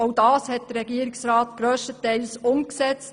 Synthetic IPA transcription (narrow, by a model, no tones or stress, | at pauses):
oʊdɑːshɛt̚d̥əɾɛɡiəɾɪksɾɑːtɡ̥ɾøːʃtətɛɪlsʊmksɛt͡st